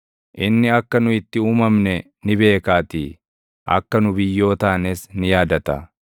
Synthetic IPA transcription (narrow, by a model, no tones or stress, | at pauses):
ʔɪnːɪɐkːɐnʊɪt̪ːɪuːmɐmnɛ | nɪbe̞ːkaːt̪i | ʔɐ̰kːɐnʊbɪjːo̞ːt̪aːnɛsnɪjaːd̪ɐt̪ɐ̰